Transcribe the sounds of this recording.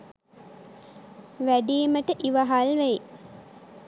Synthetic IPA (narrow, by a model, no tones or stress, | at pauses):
ʋæɖiːməʈəʔiʋaɦalʋej